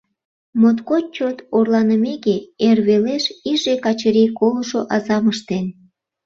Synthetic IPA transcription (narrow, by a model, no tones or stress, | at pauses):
mot̪kot͡ɕot̪orlɑnəmekeerβeleʃiʒekɑt͡ɕəɾikoluʃoʔɑzɑməʃt̪en